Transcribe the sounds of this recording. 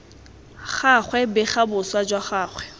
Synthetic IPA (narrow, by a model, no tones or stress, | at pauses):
χaχwɛbɛχabʊswad͡ʒwaχaːχwɛ